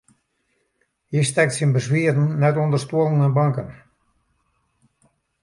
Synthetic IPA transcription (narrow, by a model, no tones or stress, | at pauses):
histɛk̚tsinbəsʋiədn̩ːɛtɔndərstuəlˠən̩ɛnbɑŋkən